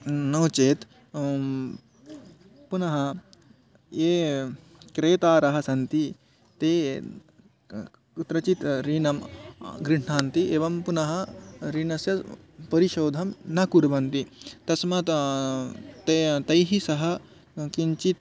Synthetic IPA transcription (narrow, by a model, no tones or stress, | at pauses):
noːt͡ʃeːt̪ | punɐɦɐ | eː | kɾeːt̪aːɾɐɦɐ̆sɐnt̪i | t̪eː | ut̪ɾɐt͡ʃit̪ɾiːnɐmɡɾiɦɳaːnt̪ieːʋɐmpunɐɦɐɾiːnɐsjɐ | pɐɾiʃoːd̪ʱɐmnɐkuɾbɐnt̪it̪ɐsmɐt̪ | t̪et̪ɐjɦisɐɦɐ̆ | kiɲt͡ʃit̪̚